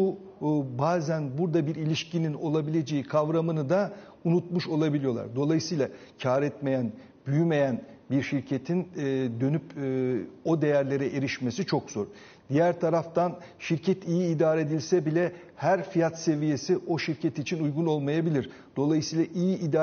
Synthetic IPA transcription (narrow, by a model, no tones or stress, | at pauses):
u | baːzænbuɾd̪abiɾilʲiʃcinino̞lˠabilʲe̞d͡ʒe̞jikʰavɾamɯnɯd̪a | unut̪muʃo̞lˠabilʲijo̞lˠa̰ɾd̪o̞lˠajɯsɯjlˠa | cʰaːɾɛt̪me̞jæn | byjyme̞jænbiɾʃiɾcʰe̞t̪ʰinːd̪ø̞nypː | o̞d̪e̞jæɾlʲe̞ɾɛʔeɾiʃme̞sit͡ʃʰo̞kz̥o̞ɾ | d̪̥ijæɾt̪ʰaɾaft̪an | ʃiɾcʰɛt̪ʰijiːd̪aːɾɛed̪ilʲsɛbilʲɛ | hæɾfijat̪se̞vije̞siʔo̞ʃiɾcʰɛt̪it͡ʃʰinujɡuno̞lˠmajabilʲiɾ | d̪̥o̞lˠajɯsijlˠaʔijiʔːd̪aː